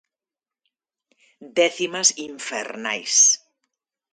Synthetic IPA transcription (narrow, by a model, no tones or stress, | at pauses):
d̪ɛθimasiɱfḛɾna̰js